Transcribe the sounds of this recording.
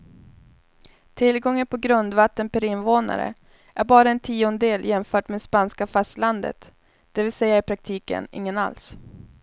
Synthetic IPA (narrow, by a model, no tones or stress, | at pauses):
t̪ʰɪlɡɔŋːənpʰɔɡɾɵnd̪vat̪ːənpʰæɾɪnvoːna̰ɾə̰ | ʔæɾbɑːɾaɛnt̪ʰiːʊnəd̪eːljɛmfœːʈmeːd̪ɛspanskafast̪land̪ə̰t̪ | d̪̥ɛvɪlsɛjːaɪɾpʰɾak̚t̪ʰiːkə̰nɪ̰ŋːəna̰ls